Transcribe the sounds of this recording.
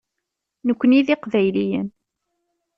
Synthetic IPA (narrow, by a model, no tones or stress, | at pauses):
nəkʷːəniðiqvæjlijə̰n